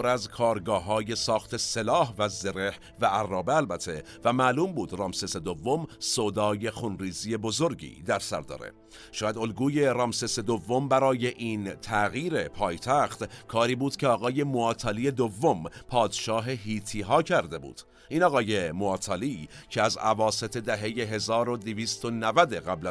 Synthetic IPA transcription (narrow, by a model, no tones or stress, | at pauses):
oɾæzkʰɒːɾɡɒːɦɒːje̞sɒːxt̪ʰe̞se̞lɒːɦvæzeɾe̞h | væærːɒːbeælbæt̪ʰe̞ | væmæluːmbuːd̪rɒːmsese̞d̪ovːomsod̪ɒːje̞xunriːziːje̞bo̞zo̞ɾɡḭːd̪æɾsæ̰ɾd̪ɒ̰ːɾḛ | ʃɔːjæd̪o̞lɡuːje̞rɒːmsese̞d̪ovːo̞mbæɾɒːje̞ʔiːnt̪ʰæɣiːɾe̞pʰɒːjt̪ʰæxt̪kʰɒːɾiːbuːd̪̥cʰeɒːɣɒːje̞moɒːt̪ʰɑlije̞d̪ovːo̞mpʰɒːd̪̥ʃɒːɦe̞ɦiːt̪ʰiːɦɒːcʰæɾd̪e̞bṵːd̪̥ | ʔiːnɒːɣɒːje̞moɒːt̪ʰɑliːcʰeæzævɒːse̞t̪ʰe̞d̪æɦe̞je̞ɦe̞zɒːɾo̞d̪iviːst̪o̞nævæd̪eɣæblæ